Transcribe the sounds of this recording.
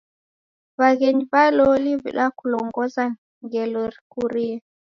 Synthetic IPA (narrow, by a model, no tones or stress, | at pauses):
βaɣɛɲiβalɔlivḭɗakulɔŋɡɔza | ŋɡɛlɔɾkuɾiɛ